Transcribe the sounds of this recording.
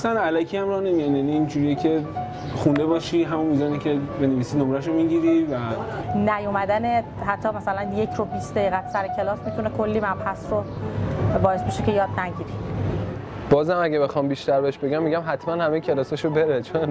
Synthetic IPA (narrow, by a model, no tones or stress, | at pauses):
sænælækʰiæmɾɒːhnemijanjaniːnd͡ʒuːɾijecʰe̞ | xund̪ebɒːʃiːɦæmunmiːzɒːnicʰʲe̞beneviːsinomɾæʃ̬omiɟiɾivænæjomæd̪æne | ɦæt̪ʰːɒːmæsælænje̞cʰɾobisd̪eɣiːɣæt̪sæɾecʰe̞lɒːsmit̪ʰunekʰolːimæmhæsɾo | bɒːjesbeʃe̞kcʰe̞jɒːd̪̚næɟiːɾi | b̥ɒːzhæmæɟæbe̞xɒːmbiːʃt̪æɾbeeʃbe̞ɟæmːiɟæmɦæt̪ʰmænhæmejecʰe̞lɒːsɒʃobe̞ɾet͡ʃʰon